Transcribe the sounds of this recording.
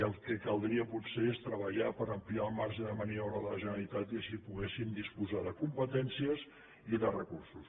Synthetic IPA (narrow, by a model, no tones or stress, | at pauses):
əlˠkəkəlˠd̪ɾiəputseest̪ɾəβ̞əʎapəɾəmpliaəlˠmaɾʒəðəməniɔɾəðələʒənəlit̪at̪iəʃipuɣesimd̪ispuzaðəkumpət̪ɛnsiəz | iðərəkursus